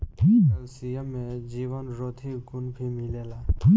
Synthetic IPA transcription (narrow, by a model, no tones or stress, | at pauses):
sijəmːẽd͡ʒiːʋənɾoːt̪ʰiɡʊnbʱimɪleːlaː